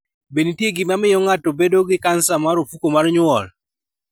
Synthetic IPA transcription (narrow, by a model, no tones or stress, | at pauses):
benitjeɡɪmamɪjɔŋatɔbedoɡɪkansamaɾofukomarɲwɔl